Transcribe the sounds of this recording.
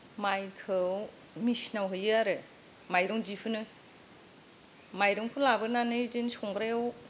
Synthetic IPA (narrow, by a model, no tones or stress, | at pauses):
majkʰɯw | misnawɦɯjɯaɾɯ | majɾɔŋd͡ʒipʰɯnɯ | majɾɔŋpʰɯlabɯnanɯdensɔŋɡɾew